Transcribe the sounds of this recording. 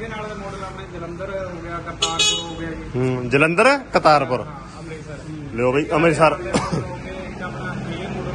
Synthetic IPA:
d͡ʒələ̃nd̪əɾɛkət̪aːɾpʊɾ | leoːbaiʔəmɾisaːɾ

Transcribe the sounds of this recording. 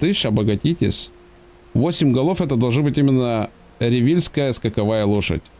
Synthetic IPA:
t̪ɨʂɐbɐɡɐtʲitʲɪ̰sʲ | vosʲɪmʲɡɐlˠofɛt̪əd̪ɐlˠʐnbɨtʲimʲɪnːə | ɾʲɪvʲilʲskəjəskəkɐvajəlˠoʂə̰tʲ

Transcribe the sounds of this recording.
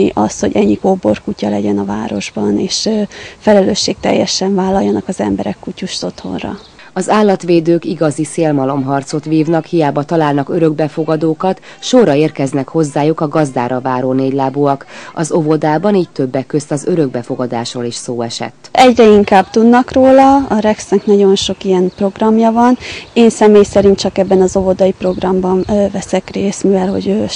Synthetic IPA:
iʔɒst̪hoɟɛɲːikoːbo̞̰rkucɒlɛɟɛnɒvaːɾo̞ʒbɒneːʃfɛlɛløːʃːeːk̚t̪ɛ̰jːɛʃɛɱvaːlːɒjːɒnɒkɒzɛmbɛɾɛkːucuʃt̪o̞t̪ho̞̰nrɒ̰ | ɒzaːlːɒt̪ʋeːd̪øːkiɡɒziseːlmɒlo̞mɦɒrt̪so̞t̪ʋiːvnɒkhijaːbɒt̪ɒlaːlnɒkøɾøɡ̚bɛfo̞ɡɒd̪oːkɒt̪ʃorɒeːrkɛznɛkho̞zːaːjukɒɡɒzd̪aːɾɒvaːɾoːneːɟlaːbuɒkɒzovo̞d̪aːbɒniːc̚t̪ø̞bːɛkːøst̪ɒzøɾø̞ɡ̚bɛfo̞ɡɒd̪aːʃroːliʃsoːɛʃɛ̰t̪ːɛɟrɛiŋkaːbt̪ud̪nɒkroːlɒɒɾɛksnɛknɒɟo̞nʃo̞kijɛnpro̞ɡrɒmjɒvɒneːnsɛmeːjsɛɾint̪̚t͡ʃɒkɛbːɛnɒzo̞vo̞d̪ɒjipro̞ɡrɒmbɒnːvɛsɛkreːsmivɛlho̞̰ɟø

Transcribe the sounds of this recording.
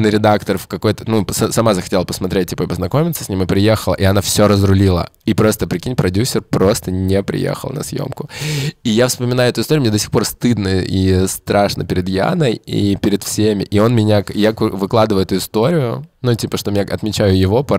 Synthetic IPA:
nəɾʲɪd̪akt̪ərfkɐko̞jt̪ənusɐsɐmazəxɐtʲelˠəpəsmɐt̪ɾʲet̚ʲtʲːipəɐbʲəznɐko̞mʲɪt̪sə̥sʲnʲimɨpɾʲɪjexəlˠə̰ʔiɐnafsʲoɾəzɾʊlʲilˠə̰ | ipɾo̞st̪əpɾʲɪkʲinʲpɾɐdʲusʲːɪrpɾo̞st̪ənʲepɾʲɪ̰jḛxə̰lˠnɐ̰sjo̰mkʊijafspəmʲɪnajʊɛt̪ʊɪst̪oʊmnʲd̪osʲi̥xpo̞rst̪ɨd̪nəʔist̪ɾʔaʂnəpʲɪɾʲɪd̪ja̰nəjḭpʲɪɾʲɪt̪fsʲemʲɪʔɪo̞nmʲɪnʲakjakvɨklˠad̪ɨvəjʊɛt̪ʊɪst̪o̞ɾʲɪjʊnutʲipəʂt̪omʲɪnʲaɐt̪mʲɪt͡ɕæjʊjɪvo̞pɐ

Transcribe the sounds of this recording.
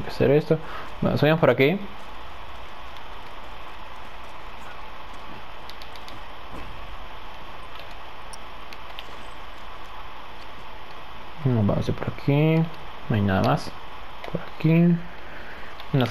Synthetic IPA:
ke̥sḛɾest̪o | ba̰mo̰saempoɾaki | noba̰mo̰sepoɾakʰi | majnaða̰mas | pʰoɾaki | na

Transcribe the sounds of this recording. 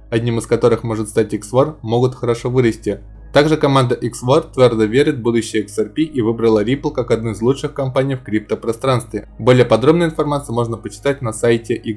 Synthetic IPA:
ɐdʲnʲimɨskɐt̪o̞ɾɨxmo̞ʐɨt̪st̪atʲiksvormo̞ɡʊt̪xəɾɐʂo̞vɨɾəsʲtʲɪ | t̪aɡʐɨkɐmand̪əʔiksvort̪vʲord̪əvʲeɾʲɪt̪bud̪ʊɕːɪjəɛksɐrpʲiʔivɨbɾəlˠəɾʲiplˠkakɐd̪nojɪzlˠut͡ʂʂɨxkɐmpanʲijfkɾʲip̚t̪əpɾɐst̪ɾanst̪vʲɪbo̞lʲɪjəpɐd̪ɾo̞bnəɪnfɐrmat̪sɨjəmo̞ʐnəpət͡ɕɪ̥t̪atʲnɐsajtʲɪʔi

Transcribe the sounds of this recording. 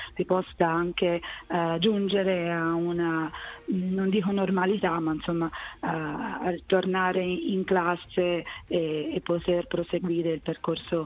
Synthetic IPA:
sipɔsaaŋked͡ʒund͡ʒeɾeauna | nond̪iːkonormalit̪amainsomːa | rt̪ornaːɾeiŋklasːeː | pːot̪erpɾoseɡwiːɾeilperkorso

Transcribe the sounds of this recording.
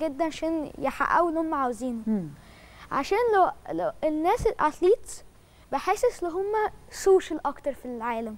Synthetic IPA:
ɡed̪ːænʕaʃæːnjeħa̰ʔæ̰wenːhomːæʕaweziːn | ʕa̰ʃæːnlenːæːselʔʕat̪liːt̪ | beħeːseselːoɦomːæsoːʃælʔækt̪ɑɾˤfilʕaːlæm

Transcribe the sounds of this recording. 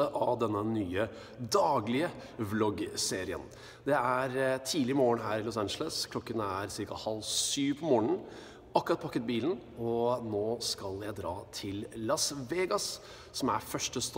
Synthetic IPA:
əʔɑʋd̪ɛnːənyːə | d̪ɑːɡlɪəʋlɔɡseːɾɪə̰n | d̪ɛæɾt̪ʰiːlɪmoːəɳɦæːɾlʊsænʃələskʰlɔkːənæɾsɪɾkɑhɑlsyːpʰɔmoːɳ̩ | ɑkːʉɾɑt̪̚pʰɑkːət̪̚biːln̩ɔnoːskɑljæɪd̪ɾɑːt̪ʰɪlːɑsʋeːɡɑs | sɔmæɾfœʂʈəst̪

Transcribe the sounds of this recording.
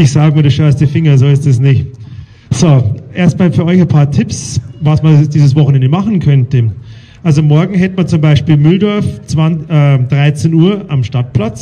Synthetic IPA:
ɪçz̥aːɡəmiɐdɪsʃœɐstəfɪŋɐzoːɪstɛsnɪçt | z̥oʔeɐstmaːlfyɐʔɔʏçapʰaːɐtʰɪpsvasmɐd̥iːzəsv̥ɔχn̩ɛndəmaχn̩kʰœntə | ʔalzomɔɐɡŋ̩ɦɛtəmant͡sʊmbaɪʃpiːlmʏldɔɐft͡sv̥anɛːd̥ʁaɪt͡senuːɐʔamʃtat̚pʰlat͡s

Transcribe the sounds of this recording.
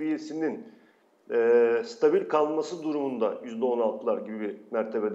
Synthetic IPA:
bijesinin | ɛːst̪ʰabilʲkʰalˠmasɯd̪uɾumund̪ajyzd̪ɛo̞nalˠt̪ʰɯlˠaɾɟibibimæɾt̪ʰe̞bed̪

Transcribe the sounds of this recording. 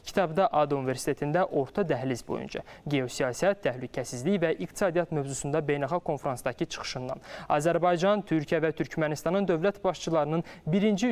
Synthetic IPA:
cʰi̥t̪ʰɑbd̪ɑʔɑd̪unive̞ɾsi̥t̪ʰe̞t̪ʰind̪æʔo̞ɾt̪ʰɑd̪æɦlizbo̞̰jṵnd͡ʒʰɑ̰ɟe̞o̞sijɑsiæt̪ʰːæhlycʰæsizlicvæʔikt̪ʰi̥sɑːd̪ijɑt̪mø̞vzusund̪ɑbe̞jnɑχɑq̚kʰːo̞nfɾɑnsd̪ɑcʰit͡ʃʰɯ̥χɯ̥ʃɯnd̪ɑ̰nɑ̰zæɾbɑjd͡ʒɑnt̪ʰyɾcʰijævæt̪ʰyɾcʰmænist̪ɑnɯnd̪ø̞vlæt̪bɑʃt͡ʃʰɯlˠɑɾɯnɯnbiɾind͡ʒi

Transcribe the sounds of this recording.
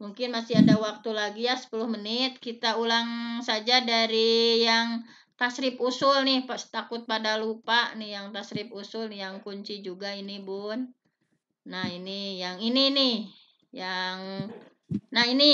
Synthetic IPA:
muŋkɪnmasiadawak̚t̪ulaɡijasə̥pulʊhmənɪt̪̚kit̪aulaŋsad͡ʒadaɾijaŋ | t̪asɾɪpusʊlnɪhpt̪akʊt̪̚padalupanɪhjaŋt̪asɾɪp̚usʊljaŋkuɲt͡ʃid͡ʒuɡainibʊn | nahinijaŋininɪh | jaŋ | nahini

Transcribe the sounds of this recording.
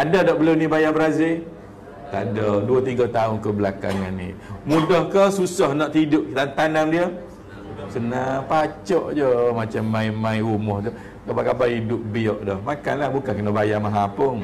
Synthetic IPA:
adadɔʔbəlunibajabəɾazɪ | t̪a̰daduət̪iɡat̪aʊnkəbəlaka̰nŋanːḭmudɔhkəsusɔhnaʔt̪idʊʔlant̪anamdiə | sənapat͡ʃɔʔd͡ʒəmat͡ʃamːãimãiɾumɔht̪ə | kabakabaidʊp̚biɔʔdɔhmaka̰nlahbukankənabajamaɦapəŋ

